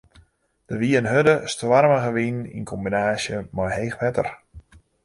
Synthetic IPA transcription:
d̥əʋiənɦødəstʋarməɣəʋinḭnkʰɔmbinaːsjəmɔjheːxʋɛtə̰r

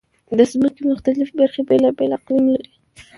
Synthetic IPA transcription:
d̪əzməkemʊxt̪alɪfbaɾxebelabelaqlimlaɾi

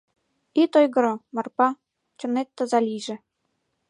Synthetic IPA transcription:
it̪ojɡɤ̆ɾɤ̆mɑrpɑ | t͡ɕɤ̆net̪ːə̆zɑlʲiʒɘ̆

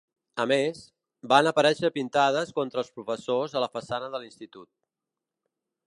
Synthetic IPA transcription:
əmes | banəpəɾɛʃəpint̪að̞əskɔnt̪ɾəːlˠspɾufəsozələfəsanəðəlinst̪it̪ut̪̚

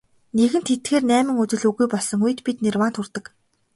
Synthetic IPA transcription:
neɣɘ̆nt̪ʰet̪xeːrnæːmɘ̆ŋut͡ɕɪ̆ɮuɣujpɔɮsɞ̆ŋujɘ̆t̪pit̪nerwaːnt̪ʰurt̪ə̆k

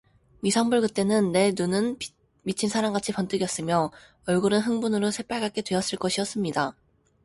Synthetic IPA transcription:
misʰʌŋbuɭkɯt͈e̞nɯnːe̞nunɯn | mit͡ɕʰinsʰaɾamŋɡat͡ɕʰipʌnt͈ɯɡjʌs͈ɯmjʌ | ʌɭɡuɾɯnɦɯŋbunɯɾosʰe̞p͈aɭɡak͈e̞dweʌs͈ɯɭk͈ʌɕʰiʌs͈ɯmɲida

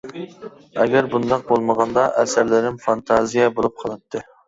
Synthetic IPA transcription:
ɛɡʲæɾbund̪ɑq̚bolˠməʁɑnd̪ɑʔɛsɪɾlɪɾɪmfɑnt̪ʰɑzijɛbolˠup̚qʰɑlˠɨt̪ʰːɨ

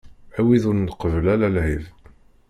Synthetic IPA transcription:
æwiðʊɾnqəvlælælhiv

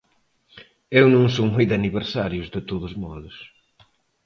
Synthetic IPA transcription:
ewnõŋs̬omujd̪ɐniβeɾsaɾjʊzðɪt̪oðʊzmɔðʊs

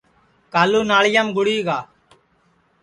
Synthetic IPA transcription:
kaːluːnaːɭɪjaːmɡʊɽiːɡaː

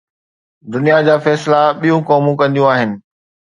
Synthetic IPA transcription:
d̪ʊnijad͡ʑaːfɛːslaɓijũkɔːmũkɐ̃nd̪ijũaːɦɪnɪ̆

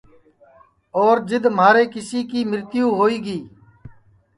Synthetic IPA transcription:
oːɾd͡ʒɪd̪m̤aːɾeːkɪsiːkiːmɪɾt̪ɪjũːɦoːiːɡiː

